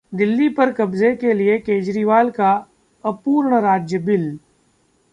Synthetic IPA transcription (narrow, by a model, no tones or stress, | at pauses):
d̪ɪlːipɐɾkɐbzekeliekeːd͡ʒɾiːʋaːlka | ɐpuːɾɳəɾaːd͡ʒjəbɪl